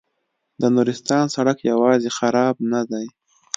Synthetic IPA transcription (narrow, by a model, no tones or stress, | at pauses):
d̪ənuɾɪst̪ɑnsaɽakjawɑzexaɾɑbnad̪aj